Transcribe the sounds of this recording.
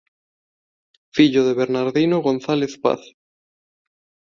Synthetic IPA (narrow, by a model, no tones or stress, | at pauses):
fiʎoðeβeɾnaɾðinoɣonθaleθpa̰θ